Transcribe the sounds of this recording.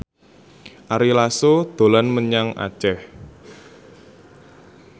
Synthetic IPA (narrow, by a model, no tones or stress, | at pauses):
ʔaɾilasod̪̥o̤lanməɲaŋʔa̰̥t͡ʃɛh